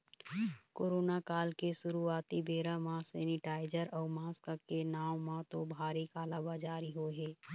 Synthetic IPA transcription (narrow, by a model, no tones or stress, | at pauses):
koːɾoːnakaːlkeʃʊɾuaːt̪ibeːɾamãsɛːnɪʈaːɪd͡ʒəɾɔːɾmaːskakenaːwmãt̪obʱaːɾikaːlaːbad͡ʒaːɾiɦoɦɛː